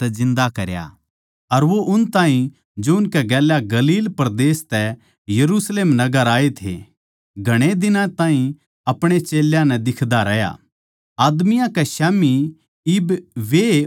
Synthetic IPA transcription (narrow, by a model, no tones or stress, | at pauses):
t̪ɛzɪ̃nd̪akɐɾja̰ | ɐɾʋoʔʊnt̪ãːɦĩ | d͡ʒoʊnkɛɡɛːljaɡɐliːlpɐɾd̪eːst̪ɛ | jɐɾuːsleːmnɐɡəɾaːet̪ʰḛ | ɡʱɐɽ̃ed̪ɪnãt̪ãːĩ | ɐpɽ̃et͡ʃeːljãnɛ̃d̪ɪkʰd̪aɾɐja̰ | aːd̪mɪjãkɛʃɛːmi | ɪbʋe